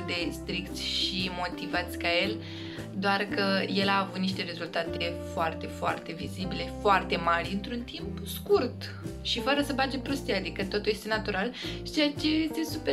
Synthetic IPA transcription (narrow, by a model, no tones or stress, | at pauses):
d̪e̞st̪ɾikt̪sʲʃimo̞t̪ivat̪sʲkaje̞l | d̪oarkəje̞laːvut̪niʃt̪e̞ɾe̞zult̪at̪e̞foart̪e̞foa̰rt̪e̞vizibile̞foart̪e̞marʲɨnt̪ɾunt̪impskurt̪ | ʃifəɾəsəbad͡ʒepɾost̪ijaad̪ikət̪o̞t̪ulje̞st̪e̞nat̪uɾali̥t͡ʃejat͡ʃe̞jest̪e̞supe